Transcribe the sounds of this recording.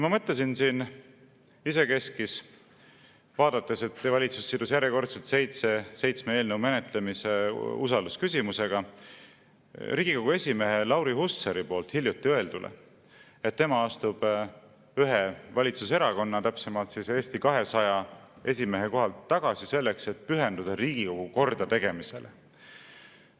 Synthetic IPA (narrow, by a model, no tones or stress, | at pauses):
mɑmɤ̞t̪les̬insin | ise̞ke̞skis | vɑːd̪̥ɑt̪ːˑe̞se̞t̪ːevɑlʲit̪susːid̪usjæɾjeko̞rt̪selt̪se̞jt̪sese̞jt̪smeeːlneume̞ne̞t̪le̞mise̞usɑld̪uskysʲimuse̞ɡ̥ɑ | riːɡ̥iko̞ɡ̥ue̞sʲime̞ɦe̞lɑwɾihusːeɾipo̞ːlt̪hiljut̪ːiɤ̞e̞ld̪̥ulʔḛ | et̪ːemɑɑst̪ub̥ | yɦevɑlʲit̪suseɾɑko̞nːɑt̪æpse̞mɑlt̪sise̞ːst̪ikɑɦe̞sɑjɑe̞sʲime̞ɦeko̞ɦɑlt̪ːɑɡ̥ɑsise̞lːe̞kse̞t̪̚pyɦe̞nd̪ud̪̥ɑɾiːɡ̥iko̞ɡ̥uko̞rd̪̥ɑt̪e̞ɡ̥e̞mise̞̰le